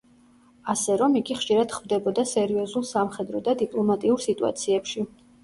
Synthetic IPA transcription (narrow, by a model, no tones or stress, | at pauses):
asɛɾɔmiɡʼiχʃiɾad̪̥χvd̪ɛbɔd̪asɛɾiɔzulˠsamχɛd̪ɾɔd̪ad̪ipʼlˠɔmat̪ʼiuɾsit̪ʼua̰t̪sʰiɛpʃi